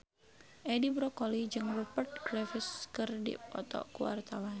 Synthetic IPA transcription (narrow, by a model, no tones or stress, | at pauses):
ʔɛdibɾɔkɔlid͡ʒɨŋrupərt̪̚ɡɾafɪskɨrdḭpɔ̰t̪ɔ̰kuwa̰rt̪awan